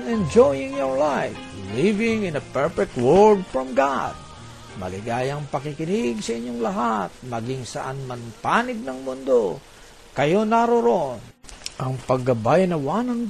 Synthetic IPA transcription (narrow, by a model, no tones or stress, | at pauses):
nɛ̃nd͡ʒojɪŋjɔɹlajflivɪŋɪnɐpɛɹfɛk̚t̪̚wɛld̪̚fɹɔmɡad̪̚ | mɐ̰lɪɡaːjɐŋpɐkɪkɪniɡsɐʔɪɲːoŋlɐɦat̪̚mɐɡɪŋsɐʔanmɐnpaːnɪd̪̚nɐŋmʊnd̪o | kɐjo̞naɾoɾonʔɐŋpɐɡ̚ɐbajnɐwanɐŋ